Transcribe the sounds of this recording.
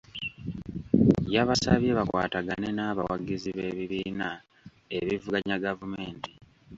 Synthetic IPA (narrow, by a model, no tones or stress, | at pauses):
jaβasaβjeβakwa̰ːtaɡane̞naːβawaɡiziβe̞ːβiβiːna | eβivuɡaɲaɡavume̞ːnti̥